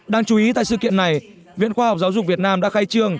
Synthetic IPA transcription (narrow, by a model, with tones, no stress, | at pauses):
ɗaː˧ŋt͡ɕu˨˦i˨˦t̪a̰˧˨jsɨ̰˧˨kḭ˧˨ənːa˨˩j | vḭ˧˨ənxwaː˧ha˨˩wk͡p̚zaː˨˦wzʊ˨˩k͡p̚vi˨˩ət̚naː˧mɗa̰ː˧˥xa˧jt͡ɕɨ˧əŋ